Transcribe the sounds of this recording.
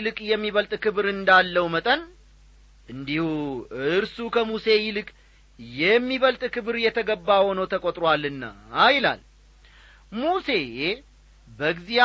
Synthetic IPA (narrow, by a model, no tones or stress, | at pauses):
lɨkʼjɛmːiβəlt̪ʼkʰɨβɾɨnd̪alːəwmət̪ʼən | ʔɨnd̪ihuɨɾsukʰəmuse̞jɪlɨkʼ | jɛmːiβəlt̪ʼkʰɨβɨɾjɛt̪ʰəɡəbːaho̞nəwt̪ʰəkʼot̪ʼɾwalːɨnːa̰ajla̰l | muse̞ | bəɡzia